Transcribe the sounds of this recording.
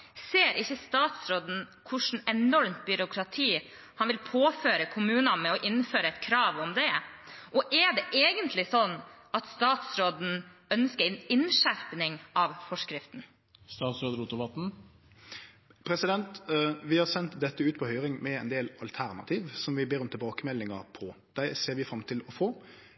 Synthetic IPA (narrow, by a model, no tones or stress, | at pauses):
seːɾʔɪçːəst̪ɑːt̪sɾoːd̪n̩kʰʊʂn̩ɛnɔɾmt̪bʏɾʊkʰɾɑt̪ʰiː | hɑnʋɪlpʰoːføːɾəkʰʊmʉːnɑmɛɔʔɪnːføːɾəɛt̪kʰɾɑːʋɔmd̪ɛ | ʔɔʔɛɖɛʔeːɡənt̪ʰlɪsɔnː | ɑt̪st̪ɑːt̪sɾoːd̪n̩œnskəɾɛnɪnʃæɾpnɪŋɑʋfɔʂkɾɪft̪n̩ | st̪ɑːt̪sɾoːd̪əɾuːt̪ʊʋɑt̪n̩ | pʰɾɛsɪd̪ɛnt̪ʋɪhɑɾsɛnt̪d̪ɛt̪ːəʉːt̪̚pʰɔhœʏɾɪŋmɛɛnd̪eːlɑlt̪ʰæɾnɑ̰t̪ʰiːʋsɔmʋɪbeːɾɔmt̪ʰɪlbɑːkəmɛlːɪŋɑpʰɔ | d̪̥æɪseːɾʋɪfɾɑmt̪ʰɪlɔfoː